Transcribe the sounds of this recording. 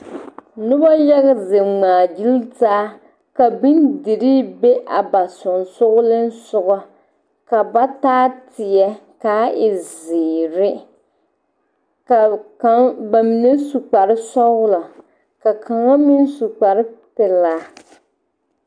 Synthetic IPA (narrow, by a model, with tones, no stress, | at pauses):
nʊ˦ba˦ja˦ɣɪ˦ze˨ŋ͡maː˨d͡ʒi˦lzaː˦ | ka˨bi˦ndɪ˨ɾiː˦be˦ʔa˨ba˨sʊ˨nsʊ˦ɣʊ˦lɪ˦n˦sʊ˦ɣa˦ | ka˨ba˦taː˦tɪ˨jɛ˦ | kaː˦ɪ˨ziː˨ɾɪ˦ | ka˨ka˦ŋba˨mi˨ne˦su˨k͡pa˨ɾɪ˦sɔ˦ɣʊ˦la˨ | ka˨kʰa˨ŋa˦mi˦n˦su˨k͡pa˨ɾɪ˦pɛ˨laː˨˦